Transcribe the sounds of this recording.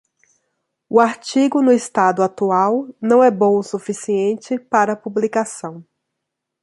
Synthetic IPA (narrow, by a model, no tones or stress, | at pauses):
ʊaɾt͡ʃiɡʊnʊɪst̪ad̪ʊat̪uawnɐ̃w̃ɛbõw̃sufisiẽnt͡ʃɪpaɾɐpublikasɐ̃w̃